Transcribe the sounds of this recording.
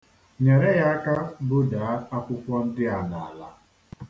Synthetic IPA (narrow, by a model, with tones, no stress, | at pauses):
ɲe˨ɾe˦ja˦ka˦bʊ˦daː˨˦a˦kʷʊ˦kʷɔ˦n̩˦dɪ˦a˨na˨a˨la˨